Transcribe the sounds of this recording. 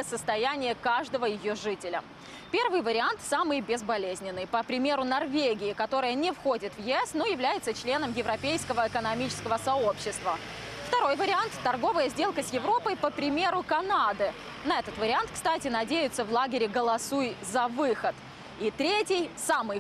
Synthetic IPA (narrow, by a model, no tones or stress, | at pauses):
əsəst̪ɐjænʲɪjəkaʐd̪əvəjɪjo̞ʐɨtʲɪlʲə | pʲe̞rvɨjvəɾʲɪant̪samɨjbʲɪzbɐlʲezʲnʲɪnːɨjpəpɾʲɪmʲe̞ɾʊnɐrvʲeɡʲɪɪkɐt̪o̞ɾəjənʲɪfxo̞dʲɪt̪vjɪɛsnojɪvlʲæjɪt̪sət͡ɕlʲenəmjɪvɾɐpʲejskəvəɪkənɐmʲit͡ɕɪ̥skəvəsɐo̞pɕːɪst̪və | ft̪ɐɾo̞jvəɾʲɪant̪ːɐrɡo̞vəjəzʲdʲe̞lˠkəsjɪvɾo̞pəjpəpɾʲɪmʲe̞ɾʊkɐnad̪ɨ | nɐɛt̪ət̪vəɾʲɪant̪kst̪atʲɪnɐdʲejʊt̪səvlˠaɡʲɪɾʲɪɡəlˠɐsujzɐvɨxət̪ | it̪ɾʲetʲɪjsamɨj